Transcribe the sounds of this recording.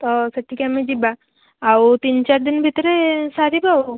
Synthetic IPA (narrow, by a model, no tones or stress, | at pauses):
t̪ɔsəʈʰikamid͡ʑibaː | wt̪iːnt͡ɕaɾd̪inbʱit̪ɾesaɾibʱaw